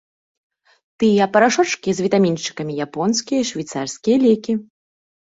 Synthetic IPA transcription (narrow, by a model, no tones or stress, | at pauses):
t̪ɨjɐpɐɾaʂɔt͡ʂkʲizʲvʲit̪amʲinʂt͡ʂɨ̥kɐmʲijapɔnskʲijɐiʂvʲijt̪sarsʲkʲijɐlʲɛkʲi